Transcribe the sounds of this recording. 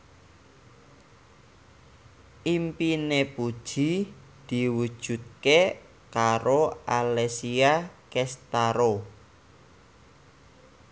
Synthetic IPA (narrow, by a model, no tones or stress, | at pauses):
ʔimpinepud̥ʒ̥i | d̪̥i̤wud̥ʒ̥ṳt̪̚ke | kaɾoalesiakɛst̪aɾo